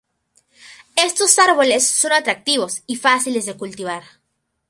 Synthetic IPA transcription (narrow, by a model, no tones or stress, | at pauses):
e̞st̪o̞saɾβo̞lesːo̞nat̪ɾak̚t̪iβ̞o̞sifasilezðekult̪iβaɾ